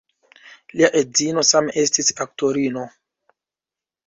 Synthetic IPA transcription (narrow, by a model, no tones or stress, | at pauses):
liaʔezino̞sameʔe̞stisak̚to̞ɾino̞